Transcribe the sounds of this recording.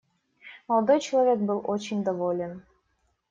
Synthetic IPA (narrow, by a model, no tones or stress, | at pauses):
mɑlˠd̪ojt͡ɕilˠɐvʲek̚bɨlˠot͡ɕɪnʲd̪ɐvolʲen